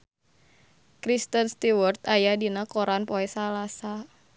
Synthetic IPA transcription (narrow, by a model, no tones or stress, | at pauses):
kɾist̪ənst̪iwɔrt̪ajadinakɔɾanpɔɛsalasa